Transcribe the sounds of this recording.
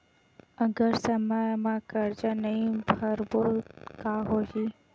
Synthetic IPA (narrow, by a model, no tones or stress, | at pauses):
əɡəɾsəmamãkəɾd͡ʒanəɦĩbʱəɾbokaɦoʃi